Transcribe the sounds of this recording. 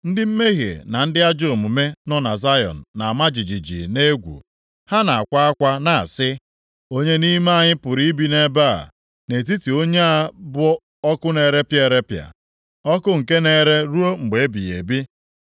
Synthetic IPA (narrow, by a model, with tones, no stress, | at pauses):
n̩˦dɪ˦m̩˦me˦ɦjḛ˨na˨n̩˦dɪ˦a˦d͡ʒo˦˨o˨mu˨me˦nɔ˦na˨za˦jɔ̰˨n̩˨na˨a˨ma˦d͡ʒi˨d͡ʒi˨d͡ʒḭ˨ne˦ɡʷṵ˨ | ha˦na˨a˨kʷa˦a˦kʷa˦na˨a̰˨sɪ˦ | o˦ɲe˦ni˦m˦a˦ɲɪ˦pʊ˨ɾi˦bi˨ne˦ba̰˦˨ | ne˨t̬i˦ti˨o˦ɲe˦a˦bʊ˦ | ɔ˦kʊ˦ne˨ɾe˦pje˨ɾe˦pja̰˨ | ɔ˦kʊ˦ŋ̩˨ke˦ne˨ɾe˦ɾu˦o˦ŋ͡m̩˨ɡ͡be˨e˦bi˨jḛ˨bi˦